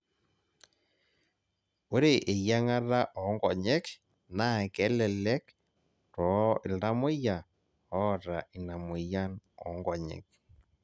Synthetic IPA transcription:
o˦ɾe˨ʔe˨ja˦ŋa˦ða˦ʔɔ˨˦ŋɡɔ˨ɲɛ˦k | na˦kɛ˨˦lɛ˨lɛ˦k | tɔ˨ɪ˨lda˦mʊ˦ja˨ | ɔ˦˨ɾa˨i˨na˨mʊ˨ja˦nɔ̰˨˦ŋɡɔ˨ɲɛ̰˨k̚

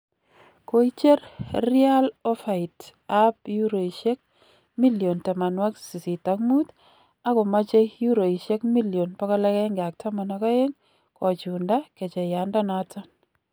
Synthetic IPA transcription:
ko˦it͡ʃe˦rri˦a˦lɔ˦fa˨i˨tapju˦ɾo˨iʃe˦k̚ | mi˦ljo˨nta˨ma˨nwa˦ksi˨si˨takmu˦t | a˦kɔ˨ma˦t͡ʃe˦jju˦ɾo˨i˨ʃe˦kmi˦ljo˨npakɔ˦lɛ˦kɛ˦ŋɡa˨k̚tʰa˦ma˨na˨kɔ˦je˦ŋ | kɔ˨t͡ʃunda˦kɛ˨t͡ʃe˨ja˨nda˦nata˦n

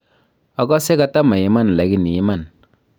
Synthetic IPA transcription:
a˨˦kɔ˦se˦ka˦ta˦ma˨ji˨ma˦n˨la˨˦ki˦ni˨ji˦ma˦˨n

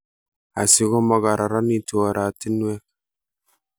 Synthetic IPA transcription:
a̰˨si˨ɡo˦ma˨ɡa˨ɾʔa˨ɾa˦ni˨tu˨a˨ɾa˨ti˦n˦we˦k

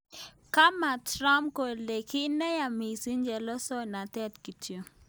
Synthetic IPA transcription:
ka˦ma˨tɾa˦mko˨le˨ki˦nɛ˦ja˨mi˨si˦nd͡ʒɛ˨lɔ˦sɔ˦na˨tɛ˦˨tki˨tʰjo˨

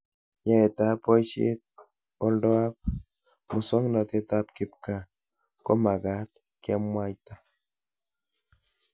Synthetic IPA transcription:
ja˦e˨t̪a˦po˦jʃḭ˦t̪̚ | o˦ldo˦a˦p̚ | mʊ˨so˦ŋnɔ˨t̪e˦t̪a˦pkɪ˨p̚ka˦˨ | ko˦ma˨ɡa˦t̪̚ | kja˦mwa˦jt̪a˦

